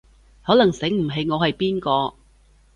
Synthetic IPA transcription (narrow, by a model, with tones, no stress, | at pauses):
hɔː˨˥lɐ˨˩ŋsɪ˨˥ŋm̩˨˩ɦe˨˧jŋɔː˨˧hɐ˨jpiː˥nkɔː˧